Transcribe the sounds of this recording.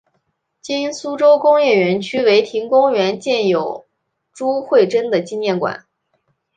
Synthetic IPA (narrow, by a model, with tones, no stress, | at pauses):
t͡ɕi˥nsu˥ʈ͡ʂo˥ʊkʊ˥ŋjɛ˥˩ɥɛ˧˥nt͡ɕʰy˥we˧˥ɪt̪ʰi˧˥ŋkʊ˥ŋɥɛ˧˥nt͡ɕjɛ˥˩njo˨˩ʊ | ʈ͡ʂu˥xwe˥˩ɪʈ͡ʂə˥nd̪ə˨t͡ɕi˥njɛ˥˩nkwa̰˨˩˦n